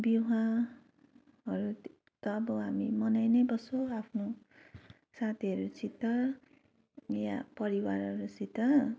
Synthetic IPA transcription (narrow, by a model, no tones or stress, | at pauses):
biɦã | ɦʌɾu | t̪ʌːbʌɦamimʌnajnʌjbʌsoapʰno | sat̪ʰiʌɾut͡sit̪ʌ | ja̰pʌɾiwaɾʌɾut͡sit̪ʌ